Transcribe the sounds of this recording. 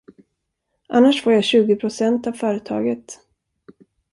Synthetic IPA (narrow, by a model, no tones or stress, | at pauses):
ʔanːaʂfoːjaɕʉ̟ːɡɪpʰɾʊsɛnt̪avfœːɾət̪ʰɑ̰ːɡət̪